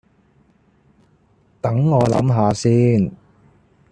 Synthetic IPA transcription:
t̪ɐ˨˥ŋːɔː˨˧lɐ̰˨˧˥mɦaː˨˧siː˧˥n

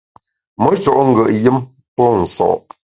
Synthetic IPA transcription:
mə˨˦t͡ʃɔ˨ʔŋ̩˦ɡə˨ʔjɨ˦m | pɔ˦n̩˨sɔ̰˨ʔ

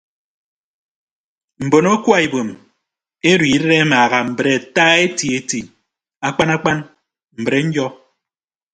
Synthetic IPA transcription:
m̩˨bo˨no˦kwa˦e˨bo˨m | e˦ɾwi˨˦de˦ɾe˦maː˨ɣa˨m̩˨bɾe˨a˨taː˦e˦ti˨e˨ti˨ | a˦k͡pa˦na˦k͡pa˦n | m̩˨bɾe˨˦ɲ̩˦d͡ʒɔ˦

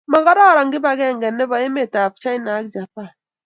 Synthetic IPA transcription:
mɔ˨ɡɔ˦dɔ˦˨ɾɔ˨ŋɡɪ˦ba˨ɡɛ˦˨ŋɡɛ˨nːɛ˦ba˨i˦me˦˨ta˨p̚t͡ʃa˦i˦na˨˦k̚d͡ʒa˨pa˦˨n

